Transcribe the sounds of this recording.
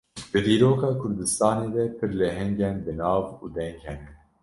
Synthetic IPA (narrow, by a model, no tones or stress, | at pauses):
d̪̥ɨd̪iːɾoːkɑːkʰʊɾd̪ɨst̪ɑːneːd̪ɛpʰɨɾlɛɦɛŋɡɛnbɨnɑːvṵːd̪ɛŋkhɛnɛn